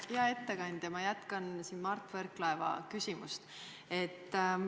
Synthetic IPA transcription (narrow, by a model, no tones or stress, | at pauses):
jɑe̞t̪ːekɑnʲd̪̥ɑmɑjæt̪kɑnsiːnmɑrt̪ːˑverkːlɑevɑ̰kysʲimust̪ | e̞t̪ː